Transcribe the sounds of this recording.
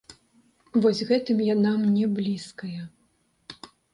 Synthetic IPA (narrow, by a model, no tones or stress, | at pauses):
vɔzʲɣɛt̪ɨmjanamnʲɛblʲiskɐjɐ